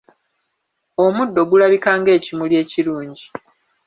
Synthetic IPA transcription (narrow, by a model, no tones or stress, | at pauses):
o̞mudːo̞ɡulaβikaːŋɡe̞ːcimulje̞ːciɾuːɲɟi